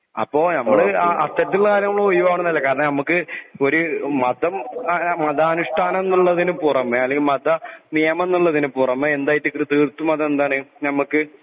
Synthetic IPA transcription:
ɐ̰pːo̞ːnɐmːɐɭɨaɐst̪ːɐɾɐt̪ːilkaːɾjɐŋuːuɭːɐojuʋaːʋɳunɐlːɐkaːɾɐnːɐnɐmukːɨo̞ɾumɐd̪ɐmmɐd̪ɐːnuʂʈʰaːnɐmenːuɭːɐðinupurɐmːeɐlɭːeŋɡilmɐd̪ɐnijɐmɐenːuɭːɐðinɨpurɐmːeend̪aːjtːɨkrɨt̪ɨːrt̪ːumɐðɐmend̪aːɳɨnɐmukːɨ

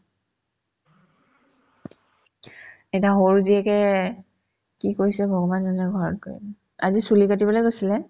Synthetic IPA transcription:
ɛtaɦoɹuziɛkɛ | kikojsɛbʱɔɡɔmanzɔnɛɡʱɔɹɔt̚koḭ | azisulikatibɔlojkojsilɛ

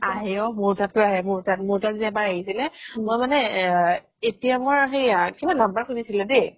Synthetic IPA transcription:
aɦɛɔmʊɹtatʊaɦɛmʊɹtat̚mʊɹtaziɛbaɹaɦisilɛmojmanɛ | etijamɔɹxejkibanlambaɹkʰonisilɛde

